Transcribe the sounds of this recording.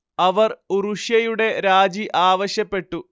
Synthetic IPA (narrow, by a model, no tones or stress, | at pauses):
ɐʋɐruruʂjɐjuɽe̞ɾaːd͡ʑiʔaːʋɐɕjɐpːe̞ʈːu